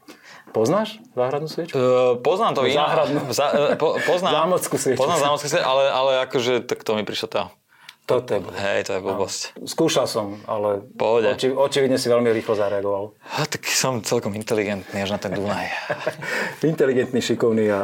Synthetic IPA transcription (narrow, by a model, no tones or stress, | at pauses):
pɔznaːʃzaːɦɾad̪nuːsʋɛt͡ʃpɔznaːmt̪ɔʋiaɦɾad̪nuzapɔpɔznaːzamɔt͡skusʋɛpznazaːmɔt͡skus̬ʋɛʔalɛalɛakɔʒɛt̪akt̪ɔmipɾiʃlat̪aː | t̪ɔt̪ɔɛbɔlɦɛjt̪ɔjɛʋubɔscskuːʃalsɔma̰lɛfpɔɦɔɟɛiɔt͡ʃiʋid̪ɲɛsiʋɛlmiɾiːxlɔzaɾɛaɡɔʋal | t̪ḁksɔmt͡sɛlkɔmint̪ɛliɡɛnt̪niaʒnat̪ɛnd̪unaj | int̪ɛliɡɛnt̪niʃikɔʊnia